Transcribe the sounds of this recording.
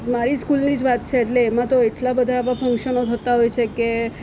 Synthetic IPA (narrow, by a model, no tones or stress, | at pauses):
maɾiskulnid͡ʒʋat̪̚t͡ʃʰeːʈleːmãt̪oeʈlabəd̪ʱaʋãfə̃ŋkʃənot̪ʰət̪aɦojt͡ʃʰeke